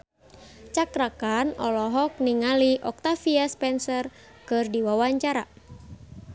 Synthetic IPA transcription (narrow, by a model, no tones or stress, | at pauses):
t͡ʃakɾakanɔ̰lɔɦɔk̚niŋaliʔɔk̚t̪afiaspɛnsɔr | kɨrdiwawaɲt͡ʃaɾa